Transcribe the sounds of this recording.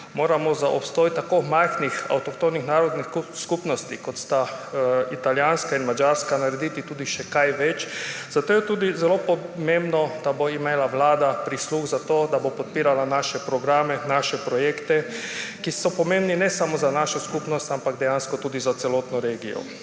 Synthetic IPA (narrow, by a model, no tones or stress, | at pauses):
moːɾamɔzaʔɔpst̪ɔːjit̪ːakomajxnixa̰wt̪ɔkt̪onixnaːɾɔd̪niskupnɔst̪ikɔt̪st̪ait̪aljaːnskainmad͡ʒaɾskanaɾed̪iːt̪it̪uːd̪iʃɛkajʋɛt͡ʃz̥at̪oːjɛt̪uːd̪izɛloːpɔmembnɔd̪̥aboimeːlaʋlaːd̪apɾisluxzat̪oːd̪abopɔt̪̚piːɾalanaːʃɛpɾɔɡɾaːmɛnaːʃɛpɾɔjeːkt̪ɛkisɔpɔmẽmbninɛsamɔzanaʃɔskupnɔst̪ampaɡd̪ɛjaːnskɔt̪uːd̪izat̪sɛloːt̪nɔɾeːɡijɔ̰